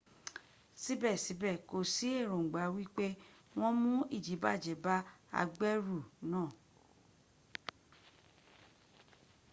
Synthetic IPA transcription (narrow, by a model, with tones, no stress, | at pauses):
si˦bɛ˦˨si˨˦bɛ˦˨ko˨si˨˦e˦˨ɾõ˨ŋ̩˨ɡ͡ba˨˦wi˦k͡pe˦ | w̃ɔ̃˦mũ˦i˦˨d͡ʒi˨˦ba˦˨d͡ʒɛ˨˦ba˦a̰˧ɡ͡bɛ˦ɾu˦˨nãː˦˨